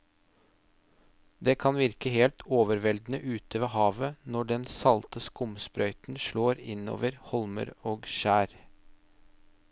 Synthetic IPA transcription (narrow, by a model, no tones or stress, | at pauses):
d̪eːkʰɑnʋɪɾkəheːlt̪ʰoːʋəɾʋɛld̪n̩əʔʉːt̪əʋeːhɑːʋənɔɖɛnsɑlt̪əskʊmspɾœʏt̪n̩ʃɭoːɾɪno̰ːʋəɾhɔlmə̰ɾoːɡʃæːɾ